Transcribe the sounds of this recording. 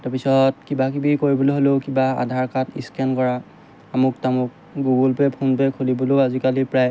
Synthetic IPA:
taɹpisɔtkibakibikoɹibɔloɦoleʊkibaa̰dʱaɹkatiskɛnkɔɹaː | mʊk̚tamʊk̚ | ɡuɡɔlpɛpʰunpɛkʰulibɔloazikalipɹaj

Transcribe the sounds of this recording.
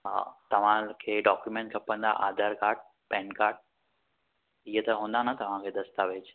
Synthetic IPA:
t̪ɐʋ̤ãkʰeːɖɔːkjumẽːɳʈkʰɐpə̃nd̪a̰ʔaːd̪ʱəɾkaːɾʈ̚ | pɛ̃ːnkaːɾʈ̚ | iɦət̪ɐɦũːnd̪anɐt̪ɐʋ̤ãkʰeːd̪ɐst̪aːʋet͡ɕ

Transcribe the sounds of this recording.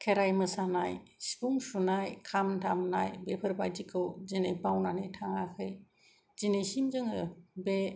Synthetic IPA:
kʰeɾajmɯsanaj | si̥puŋsunajkʰamtʰamnajbepʰɯɾbajd͡ʒikʰɯwzinejbawnanɯjtʰaŋakʰɯj | zinejsimzɯŋɯbe

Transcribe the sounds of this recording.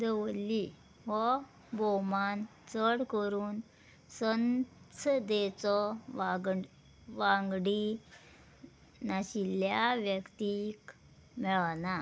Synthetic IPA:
d̪əʋlːi | ʋɔ | bɔmant͡səɽkəɾuːn | sənt͡sʰd̪et͡sɔ | ʋãŋɡɽi | naɕiljaʋjəkt̪ik | mɛɭna

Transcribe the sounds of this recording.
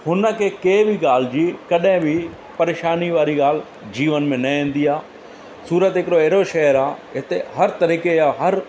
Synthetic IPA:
hʊnəkekeːbʱiɡaːl̤d͡ʒiːkɐɗẽbʱi | pɐɾeːʃaːniʋaːɾiɡaːl | d͡ʒiːʋənmẽnɐẽːn̆d̪iaː | suːɾət̪ɪkɽoeːɾoʃɐɦəɾaːɪt̪eɦɐɾt̪ɐɾiːkeaːɦɐɾ

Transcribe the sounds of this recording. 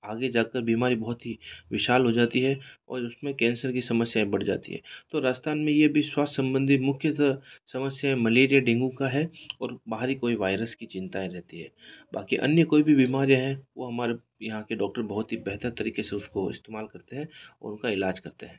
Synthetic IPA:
aːɡed͡ʒaːkəɾbiːmaːɾibɐɦʊt̪ɦiʋɪʃaːlɦod͡ʒaːt̪iɦɛɔ̰ːɾʊsmẽkɛ̃ːnsəɾkisɐməsjaẽbɐɽ̤d͡ʒa̰ːt̪ḭɦɛ̰ːt̪oɾaːd͡ʒt̪ʰaːnmẽjebʱiswaːst̪sɐ̃mbə̃nd̪ʱit̪mʊkʰjəsɐməsjaɛ̃mɐleːɾijaɖɪ̃ŋɡũkaɦɛɔːɾbaːɦəɾɦikoːiʋaːɪɾəskit͡ʃɪ̃nt̪aẽɾɛɦt̪iɦɛ̰ːba̰ːkiʔɐ̰njəkoːibʱibiːmaːɾijaɦɛʋo̰ɦɐmaːɾe | jɐɦãkeɖɔːk̚ʈəɾbɐɦʊt̪ɦibɛɦt̪əɾt̪ɐɾiːkeseʊskoɪ̰st̪eːmaːlkɐɾt̪eɦɛ̃ːɔ̰ːɾʊnkaɪlaːd͡ʒkɐɾt̪eɦɛ̃ː

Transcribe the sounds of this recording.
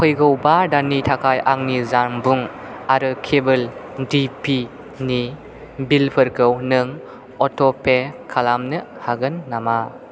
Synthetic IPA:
kʰɯjɡɯwbadanitʰakʰajʔaŋnizaɾmbuŋaɾɯkʰebɯldipʰi | ni | bilpʰɯɾkʰɯwnɯŋ | ɔtɔpʰekʰalamnɯ | haɡɯnːama

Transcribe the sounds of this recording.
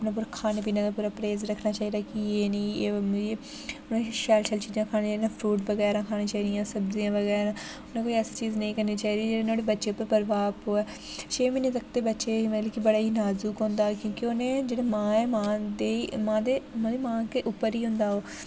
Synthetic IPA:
əpnaːp̬uːɾaːkʰaːneːpiːnãːd̪aːpuːɾaːpɾeːzɾəkʰnaːt͡ʃaːiːd̪aːkieːnĩːeːmd͡ʒeː | ʊnẽːʃɛːlʃəlt͡ʃiːzãːkʰaːnẽːt͡ʃaːid̪ãːpʰɾuːʈbəɡɛːɾãːkʰaːnẽːt͡ʃaːiːd̪ijãːsəbd̪ijãːʋəɡɛːɾãː | ʊnẽkoːiəst͡ʃiːznəĩːkəɾniːt͡ʃaːiːd̪iːd͡ʒeːɽeːnoːɽeːbətːʃeːʊpːəɾpəɾʋaːpoːɛː | t͡ʃʰeːmɪneːt̪ək̚ʰt̪eːbətːʃeːiməleːkibəɽaːɦiːnaːzuːkõːnd̪akjõːkeoːnẽːd͡ʒeːɽaːmãːɛːmãːd̪emãːd̪eːmãːd̪emãːkeʔʊpːəɾiːɦʊ̃nd̪aːɦoː

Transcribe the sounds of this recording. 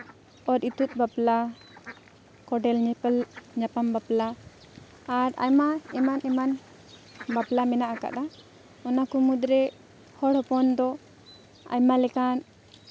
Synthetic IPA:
ɔɾit̪ut̪̚ˀbapla | kɔɖɛlɲɲapambaplaː | ɾa̰jmaɛmanɛman | baplamɛnaʔaka̰ʔd̪a | ɔnakumud̪ɾɛ | hɔɽhɔpɔnd̪ɔ | a̰jmalɛkan

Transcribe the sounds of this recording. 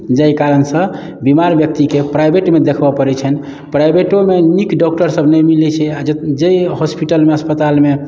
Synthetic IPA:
d͡ʒəjkaɾənsə̃ | bimaɾbjək̚t̪ikepɾajbeʈmed̪ekʰbəpəɾɛt͡ʃʰɛni | pɾajbeʈomenikɖɔk̚ʈəɾsəbʱnəjmilit͡ʃʰɛad͡ʒejɦospiʈəlmeəspət̪alme

